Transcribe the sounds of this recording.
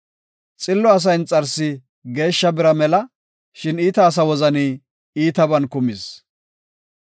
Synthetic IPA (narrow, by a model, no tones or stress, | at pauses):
t͡sʼɪlːɔɐs̬ɐjnt͡sʼɐɾsɪ | ɡe̞ːʃːɐbɪɾɐmɛlɐ | ʃɪniːt̪ɐːs̬ɐwɔzɐniː | iːt̪ɐbɐnkʊmɪs